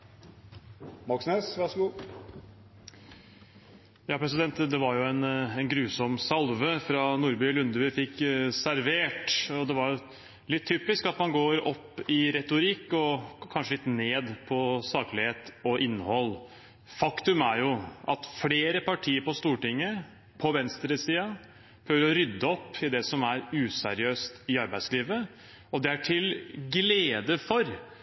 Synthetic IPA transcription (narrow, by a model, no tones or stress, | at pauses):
mɑksnøsʋɑʂəɡuː | jɑːpʰɾɛs̬ɪd̪ɛnt̪d̪ɛʋɑɾjʊɛnɛnɡɾʉːsɔmsɑlʋəfɾɑnuːɾbʏːlʉnd̪əʋɪfɪkːsæɾʋeːʈɔd̪ɛʋɑɾjʊ | lɪt̪ʰːyːpɪskɑt̪mɑnɡoːɾɔpːɪɾɛt̪ʊɾɪkːɔkʰɑnʂəlɪt̪neːd̪pʰɔsɑːkəlɪheːt̪ɔʔɪnːəhɔlː | fɑkt̪ʉmæɾjʊʔɑ̰t̪fleːɾəpɑʈʰiːəɾpɔst̪uːʈɪŋːə | pʰɔʋɛnst̪ɾəsiːɑ | pʰɾøːʋəɾɔɾʏd̪ːəɔpːɪd̪ɛsɔmæɾʉːsæ̰ɾɪøːst̪ɪɑɾbæɪd̪sliːʋə | ɔd̪ɛæʈʰɪlɡleːd̪əfɔɾ